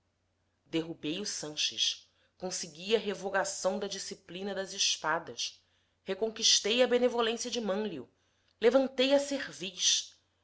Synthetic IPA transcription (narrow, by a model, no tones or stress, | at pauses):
d̪eɦubejusɐ̃ʃɪ̰ʃ | kõsiɡiɐɦevoɡasɐ̃w̃d̪ɐd͡ʒisiplĩnɐd̪ɐzɪʃpad̪ɐʃ | hekõkiʃt̪ejɐbenevolẽsjɐd͡ʒɪmɐ̃liṵ | levɐ̃nt̪ejɐseʁviʃ